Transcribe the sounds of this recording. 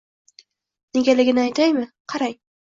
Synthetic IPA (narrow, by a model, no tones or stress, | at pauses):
neɡʲalɪɡʲɪnɪajt̪ʰajmɪqʰɑɾaj